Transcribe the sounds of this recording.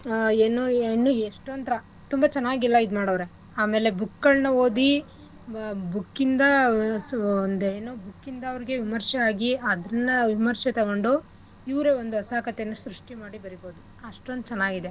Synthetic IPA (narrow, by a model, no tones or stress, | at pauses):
eːnuːnːueʂʈont̪ɐɾɐ | t̪umbɐt͡ʃɐnːaːɡilːɐid̪umaːɽɐːʋɐɾe | aːme̞ːle̞bukːɐɭnɐo̞ːd̪i | bukːind̪ɐ | nd̪eːnoːbukːind̪ɐɐʋɐɾiɡe̞ʋimɐɾʃɐaːɡiɐd̪ɾɐnːɐʋimɐɾʃɐt̪ɐɡoɳɖu | iʋɾeond̪uɐsaːkɐt̪enːɐsɾuʂʈimaːɽibɐɾibo̞ːd̪u | ɐʂʈond̪ut͡ʃɐnːaːɡid̪e̞